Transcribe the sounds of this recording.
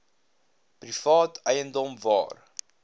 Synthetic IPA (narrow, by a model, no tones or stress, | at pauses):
prifɑːtʰəjəndɔmvɑ̰ːr